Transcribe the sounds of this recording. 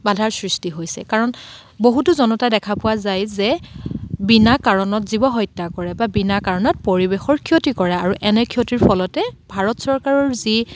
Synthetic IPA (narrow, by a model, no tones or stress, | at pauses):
badʱaɹsɹistiɦojsɛ̰kaɹɔn | boɦutʊzɔnɔtadɛkʰapʊwazajzɛ | binakaɹɔnɔtzibɔɦɔjtːakɔɹɛbabinakaɹɔnɔt̚poɹibexɔɹkʰiotikɔɹɛaɹuʔɛnɛkʰijotiɹpʰɔlɔtɛbʱaɹɔtsɔɹkaɹɔɹzi